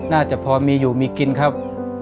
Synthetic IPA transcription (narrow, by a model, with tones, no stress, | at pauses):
naː˥˩t͡ɕa˨˩pʰɔː˧miː˧juː˨˩miː˧ki˧nkʰa˦˥˩p̚